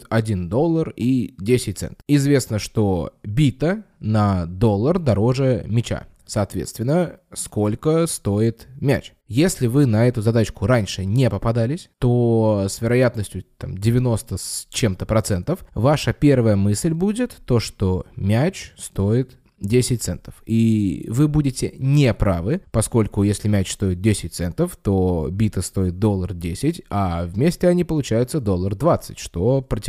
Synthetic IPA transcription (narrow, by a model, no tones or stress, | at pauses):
t̪ɐdʲind̪o̞lˠːəridʲesʲɪt̚ʲt̪sɛ̰nt̪ɪzvʲe̞snəʂt̪o̞bʲit̪ənɐd̪o̞lˠːərd̪ɐɾo̞ʐəmʲɪt͡ɕa̰ | sɐːt̪vʲet̪st̪vʲɪnːəsko̞lʲkəst̪o̞ɪt̪mʲæ̰t͡ɕ | jesʲlʲɪvɨnɐɛt̪ʊzɐd̪at͡ɕkʊɾanʲʂɨnʲepəpɐd̪alʲɪsʲt̪osvʲɪɾɐjat̪nəsʲtʲjʊt̪a̰mdʲɪvʲɪno̞st̪əst͡ɕemt̪əpɾɐt̪sɛnt̪əfvaʂəpʲe̞rvəjəmɨsʲlʲbudʲɪt̪ːo̞ʂt̪o̞mʲæt͡ɕst̪o̞ɪt̪ | dʲesʲɪt̚ʲt̪sɛnt̪ə̥fivɨbudʲɪtʲɪnʲepɾavɨpɐsko̞lʲkʊjesʲlʲɪmʲæt͡ɕst̪o̞jɪt̪̚dʲesʲɪt̚ʲt̪sɛnt̪əft̪o̞bʲit̪əst̪o̞ɪt̪̚d̪o̞lˠːərdʲesʲɪtʲavmʲesʲtʲɪɐnʲipəlˠʊt͡ɕæjʊt̪səd̪o̞lˠːərd̪vat̪sɨ̥tʲʂt̪o̞pɾətʲ